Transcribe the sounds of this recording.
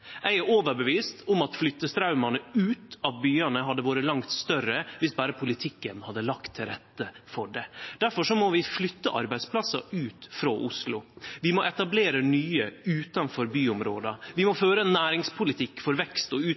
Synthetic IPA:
ʔæɪæɾoːʋəɾbəʋiːst̪ʊmɑt̪flʏt̪ːəst̪ʰɾɑʉmɑnəʉːt̪ɑʋbyːɑnəɦɑd̪ːəʋoːɾəlɑŋt̪st̪œɾəʋɪsbæːɾəpʰʊlɪt̪ʰɪkːənhɑd̪ːəlɑkt̪ʰːɪɾɛt̪ːəfɔɖɛd̪̥æɾfɔʂɔmɔʋɪflʏt̪ːəʔɑ̰ɾbæɪspʰlɑsɑ̰ʉːt̪fɾoːʔʊslʊʋɪmɔʔɛt̪ɑbleːɾənyːəʉːt̪ɑnfɔɾbyːʊmɾoːd̪ɑʋɪmɔføːɾənːæːɾɪŋspʰʊlɪt̪ʰɪkːfɔɾʋɛkst̪ɔʉː

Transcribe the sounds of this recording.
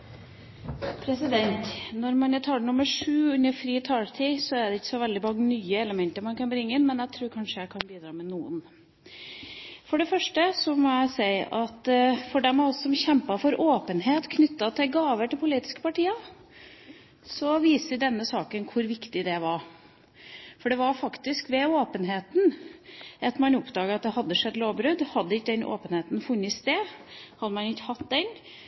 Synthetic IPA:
pʰɾɛsɪd̪ɛnt̪nɔɾmɑnjət̪ʰɑːlənʊməʂʉːʉnːəɾfɾiːt̪ʰɑːlt̪ʰiːsɔæɖ̪ɛɪçːə̥sɔʋɛld̪ɪbɑŋnyːəɛləmɛnt̪əɾmɑnkɑnbɾɪŋːəɪnmɛnæt̪ʰɾʉːɾkʰɑnʂəæɪkʰɑnbiːd̪ɾɑːmɛnuːə̰n | fɔɖɛfœʂʈəsɔmɔæɪsæɪʔɑt̪fɔɖɛmhɑɾɔssɔmçɛmpɑfɔɾoːpənɦeːt̪kʰnʏt̪ːɑt̪ʰɪlɡɑːʋəʈ̪ʰɪlpʰʊliːt̪ɪ̥skə̥pɑʈiːɑ | sɔʋiːsəɖɛnːəsɑːkənkʰʊɾʋɪkt̪ɪd̪ɛʋɑɾ | fɔɖɛʋɑɾfɑkt̪ɪskʋɛoːpənɦeːt̪n̩ | ɑt̪mɑnʊpd̪ɑːɡəɾɑt̪̚d̪ɛhɑd̪ːəʂɛd̪ːloːʋbɾʉd̪hɑd̪ːəɪkːəd̪ɛnʔo̰ːpənheːt̪n̩fʉnːɪst̪eːhɑd̪ːəmɑnɪçːhɑt̪d̪ɛn

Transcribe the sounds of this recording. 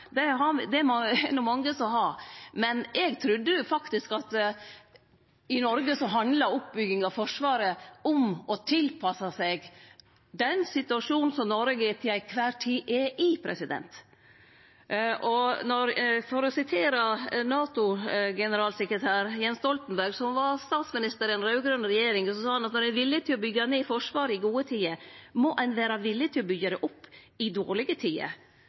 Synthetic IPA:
d̪ɛɦɑd̪ɛæɛnːʊmɑŋːəsɔɦɑɾmɛnɛɡt̪ʰɾʉd̪ːəjʊfɑkt̪ɪskɑt̪ | ɪnɔɾɡəsɔɦɑnd̪lɑɾʊp̚bʏɡːɪŋɑʋfɔʂʋɑːɾəɔmɔt̪ʰɪlpʰɑsɑsɛɡ | d̪ɛnsɪt̪ʉɑʂuːnn̩sɔmnɔɾɡɪt̪ʰɪlæɪkʰʋæːɾʈʰiːʔɛʔɪpʰɾɛ̰sɪd̪ɛ̰nt̪ | ʔɔnɔɾfɔɾɔsɪt̪ʰeːɾɑnɑːt̪ʊɡɛnəɾɑːlsɛkɾət̪ʰæːɾjɛnst̪ɔlt̪ən̩bæɾɡsɔmʋɑst̪ɑːt̪smɪnɪst̪əɾɛnɾɑʉɡɾœnɾɛjeːɾɪŋsɔsɑːhɑnɑt̪nɔɾɛnʋɪlːɪət̪ʰɪlɔbʏɡːɑneːfɔʂʋɑːɾɪɡuːət̪ʰiːəmɔʔɛnʋæːɾɑʋɪlːɪət̪ʰɪlɔbʏɡːəd̪ɛʔʊpː | ɪd̪oːɾɭɪɡət̪ʰiːə̰

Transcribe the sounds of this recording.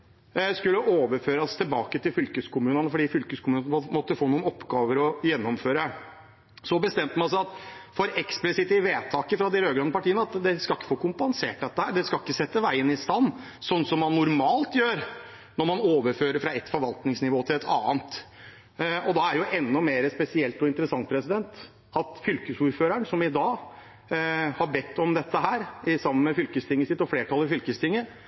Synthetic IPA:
skʉlːəʔoːʋəɾføːɾɑst̪ʰɪlbɑːkət̪ʰɪlfʏlkəskʊmʉːnənəfɔɖiːfʏlkəskʊmʉːnnəɔmɔt̪ːəfoːnuːənɔpːɡɑːʋəɾɔjɛnːɔmføːɾə | sɔbəst̪ɛmt̪əmɑnsæɪɑt̪fɔɾɛksplɪsɪt̪ɪʋeːt̪ʰɑːkəfɾɑd̪ɪɾøːɡlɑnːəpɑʈʰiːənəɑt̪d̪ɛskɑlɪkːə̥foːkʊmpɑnseːʈ̚d̪ɛt̪ːəhæːɖ̪ɛskɑlɪkːəsɛt̪ːəʋæɪənɪst̪ɑnː | sɔnːsɔmːɑnːʊɾmɑːlt̪jøːɾ | nɔɾmɑnoːʋəɾføːɾəɾfɾɑɛt̪ːfɔɾʋɑlt̪nɪŋsnɪʋoːt̪ʰɪlɛt̪ʰɑ̰ːənt̪ | ɔd̪ɑæɾjʊʔɛnːɔmeːɾəspɛsɪɛlt̪ɔɪnt̪əɾəsɑŋt̪pʰɾɛsɪd̪ɛnt̪ | ɑt̪fʏlkəsuːɾføːɾæɳsɔmɪd̪ɑː | hɑɾbɛt̪ʰːɔmd̪ɛt̪ːəɦæːɾɪsɑmːənmɛfʏlkəst̪ʰɪŋːəsɪt̪ːɔfleːʈʰɑlːˠɪfʏlkəst̪ʰɪŋːə

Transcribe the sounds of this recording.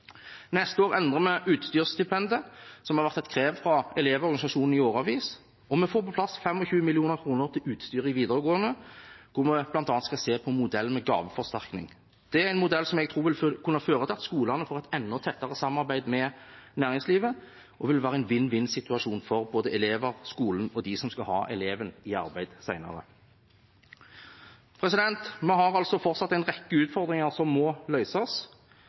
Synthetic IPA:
nɛst̪əoːʁɛnd̪ʁəmɛʔʉːt̪st̪yːʁst̪ɪpɛnd̪əsɔmhɑɾʋæʁt̪ɛt̪kʰʁeːʋfɾɑɛleːʋɔʁɡɑnɪsɑʂuːnn̩ɪoːʁɑʋiːs | ɔmɛfoːɾpʰɔpʰlɑsfɛmɔçʉːmɪlɪuːnəʁkʰʁuːnəʁt̪ʰɪlʉːt̪st̪yːʁɪŋʋiːd̪əʁəɡoːənəkʰʊʁmɛb̥lɑnt̪ɑːnt̪skɑlseːpʰɔmʊd̪ɛlːmɛɡɑ̰ːʋəfɔʁst̪æʁknɪ̰ŋ | d̪̥ɛæɾæɪnmʊd̪ɛlːsɔmɛɡt̪ʰuːʋɪlkʰʉnːəɑføːɾət̪ʰɑt̪skuːlɑnəfɔːʁɛt̪ɛnːɔt̪ʰɛt̪ːɑʁəsɑmmɑɾbæɪd̪mɛnæːʁɪŋsliːʋə | ʔɔʋɪlʋæːɾəæɪnʋɪnːʋɪnsɪt̪ʉɑʃuːnfɔʁboːd̪əʔɛleːʋəʁskuːln̩ɔd̪ɪsɔmskɑhɑ̰ːʔɛleːʋənɪɑ̰ɾbæɪd̪̥sæɪnɑ̰ʁə̰ | pʰɾɛsɪd̪ɛnt̪mɛɦɑʁɑlsɔfɔɾtsɑt̪ːæɪnʁɛkːəʉːt̪fɔʁd̪ʁɪŋɑʁsɔmːɔlœʏsɔs

